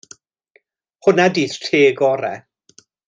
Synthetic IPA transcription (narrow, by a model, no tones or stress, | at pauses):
hʊnadiːθtʰeːɡɔɾɛ